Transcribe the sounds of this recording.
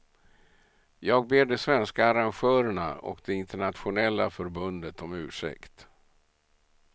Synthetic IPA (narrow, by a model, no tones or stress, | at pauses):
jɑːɡ̚beːɖɛsvɛnskaːɾanɧœːɾəɳa̰ɔ̰kd̪ɛɪnt̪əɳat̪ɧʊnɛlːa̰fœɾbɵnd̪ət̪ɔmʉ̟ːʂɛ̰kt̪